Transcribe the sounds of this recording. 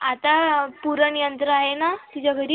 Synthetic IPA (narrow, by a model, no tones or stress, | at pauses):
at̪apuɾəɳjənt̪ɾəaɦenat̪id͡ʑaɡəɾi